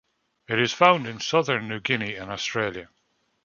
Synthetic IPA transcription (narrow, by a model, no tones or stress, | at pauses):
ɪtɪz̥fãʊ̃ndɪ̃nsʌðə˞nːʉɡɪniɪ̃nɔstɹ̥eːljə